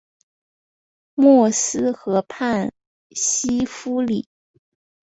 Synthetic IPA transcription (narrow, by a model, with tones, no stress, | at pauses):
mwɔ˥˩sɹ̩˥xɤ˧˥pʰa˥˩n | ɕi˥fu˥li˨˩˦